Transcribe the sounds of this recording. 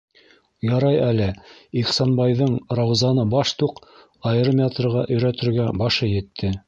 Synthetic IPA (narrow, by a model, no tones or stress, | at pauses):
jɑɾɑjælɘiχsɑnbɑjðɤɴrɑwzɑnɤbɑʃt̪uq | ɑjɾɤmʲet̪rʁɑʔɵ̆jɾæt̪ɵ̆ɾɡæbɑʃɤjɘ̆t̪ʰːɘ